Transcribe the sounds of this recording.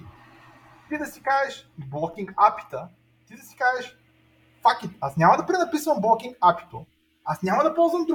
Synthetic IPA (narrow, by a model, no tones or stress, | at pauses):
t̪id̪ɐsikaʒɛʃblˠɔkʲiŋɡapi̥t̪ə | t̪id̪ɐsi̥kaʒɛʃ | fakit̪asnʲamɐd̪ɐpɾɛnɐpisvɐmblˠɔkʲiŋɡapi̥t̪o | asnʲamɐd̪ɐpɔlˠzvəmd̪ɾ